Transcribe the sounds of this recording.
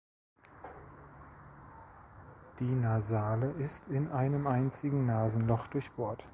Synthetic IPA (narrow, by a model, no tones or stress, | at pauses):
d̥iːnazaːləʔɪstʰɪnʔaɪnəmʔaɪnt͡sɪɡŋ̩naːzn̩lɔχd̥ʊɐçb̥oːɐt